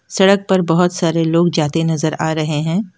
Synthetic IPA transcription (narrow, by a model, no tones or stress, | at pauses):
sɐɽək̚pɐɾbɐɦʊt̪saːɾeloːɡd͡ʒaːt̪enɐzəɾaːɾɐɦeɦɛ̃ː